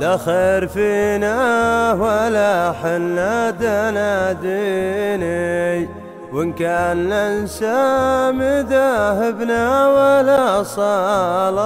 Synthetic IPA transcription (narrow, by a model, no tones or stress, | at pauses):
laxeːɾfinawalaħɪnːad̪anad̪inaj | wɪnkaːnlansamɪd̪aɦɪbnawalasˤɑl